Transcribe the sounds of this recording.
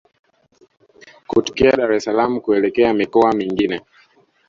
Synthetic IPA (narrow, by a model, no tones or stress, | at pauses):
kutɔ̥kiaɗaɾɛsalamukuɛlɛkɛamikɔamiŋɡinɛ